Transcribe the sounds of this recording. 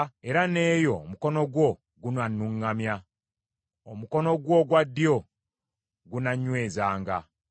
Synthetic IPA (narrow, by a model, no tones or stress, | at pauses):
eɾane̞ːjo̞muko̞no̞ɡwo̞ | ɡunanːuŋːamja | omuko̞no̞ɡwo̞ɡwad̪ːijo̞ | ɡunaɲwe̞ːzaːŋɡa̰